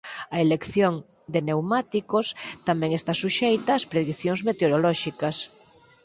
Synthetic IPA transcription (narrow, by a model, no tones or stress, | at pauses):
ɐelekθjoŋ | d̪enewmat̪ikost̪amɛ̃ŋest̪asuʃejt̪ɐːspɾeðikθjõŋzmet̪eoɾolɔʃikɐs